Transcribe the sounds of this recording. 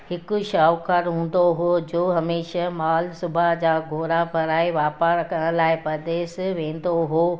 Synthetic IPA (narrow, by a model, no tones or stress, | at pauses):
hɪkʊ̆ʃaːʋkʰəɾɦũːn̆d̪oɦod͡ʑoːɦɐmeːʃamaːlsʊbʱad͡ʑaːɡʱoːɾapɐɾaːɪʋaːpaɾɐkʰəɽ̃əlaːɪpɐɾd̪eːsʋẽːn̆d̪oɦoː